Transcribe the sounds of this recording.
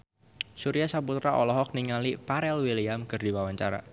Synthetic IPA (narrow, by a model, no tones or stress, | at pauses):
suɾiasaput̪ɾaʔɔlɔɦɔk̚niŋalipaɾɛlwiliamkɨrdiwawaɲt͡ʃa̰ɾa̰